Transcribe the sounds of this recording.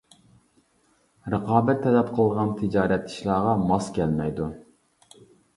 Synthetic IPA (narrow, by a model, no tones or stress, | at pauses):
ɾəqʰɑːbɛt̪ʰːɛlɛpqʰəlˠʁɑnt̪ʰɨd͡ʒɑːɾɛt̪ʰːi̥ʃlˠɑːʁɑmɑskʲʰɛlmɛjd̪u